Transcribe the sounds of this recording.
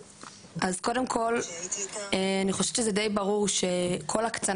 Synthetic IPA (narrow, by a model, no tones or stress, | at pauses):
ʔazko̞de̞mkʰo̞l | eaniχo̞ʃev̥t͡ʃezede̞jbaʁuʁʃe̞kʰo̞lakt͡sa